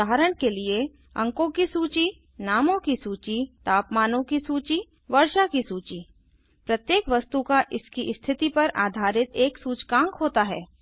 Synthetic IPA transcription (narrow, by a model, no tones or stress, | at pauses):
aːɦɾəɽ̃kelie | ɐ̰̃ŋkõkisuːt͡ʃi | naːmõkisuːt͡ʃit̪aːpmaːnõkisuːt͡ʃi | ʋɐɾʃakisuːt͡ʃi | pɾɐt̪jeːkʋɐst̪ukaʔɪskiʔst̪ʰɪt̪ipɐɾʔa̰ːd̪ʱaːɾɪt̪eːksuːt͡ʃkãːŋkɦoːt̪aɦɛː